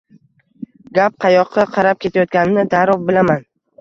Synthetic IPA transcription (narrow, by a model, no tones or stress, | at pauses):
ɡʲap̚qʰɑjɒqʰːɑqʰɑɾap̚kʲʰe̞t̪ʰajɒt̪̚ɡʲanɪnɪd̪aɾɒvbɪlaman